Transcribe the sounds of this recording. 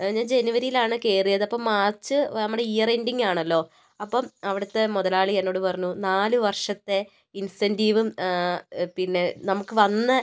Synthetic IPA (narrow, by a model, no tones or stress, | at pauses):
ɲaːnd͡ʑe̞nuʋɐɾijilaːɳɨke̞ːrijɐðɐpːomːaːrt͡ɕːɨnɐmːuɽe̞ijɐre̞nɖiŋːaːɳɐlːo̞ː | ɐpːomɐʋiɽɐt̪ːe̞moðɐlaːɭienːo̞ːɽɨpɐrɐɲːunaːluʋɐrʂɐt̪ːe̞ | insendiːʋɨm | pinːe̞nɐmukːɨʋɐnːɨ